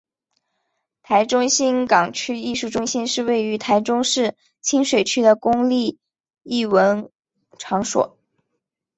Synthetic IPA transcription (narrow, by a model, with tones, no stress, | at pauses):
t̪ʰa˧˥ɪʈ͡ʂʊ˥ŋɕi˥nkɑ˨˩ŋt͡ɕʰy˥i˥˧ʂu˥˩ʈ͡ʂʊ˥ŋɕi˥nʂɻ̩˥˧we˥˩ɪy˧˥t̪ʰa˧˥ɪʈ͡ʂʊ˥ŋʂɻ̩˥˩ | t͡ɕʰi˥nʂwe˨˩ɪt͡ɕʰy˥d̪ə˨kʊ˥ŋli˥˧ | i˥˩wə˧˥n | ʈ͡ʂʰɑ˧˥ŋʂwɔ̰˨˩˦